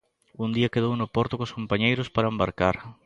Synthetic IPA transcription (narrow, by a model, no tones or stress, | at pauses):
und̪iɐkeð̞ownʊpɔɾt̪ʊkoskompaɲejɾʊspaɾɐembaɾkaɾ